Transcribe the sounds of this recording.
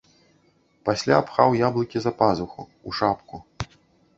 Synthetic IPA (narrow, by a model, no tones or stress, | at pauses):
pasʲlʲapxawjablˠɨkʲizɐpazuxu | uʂapku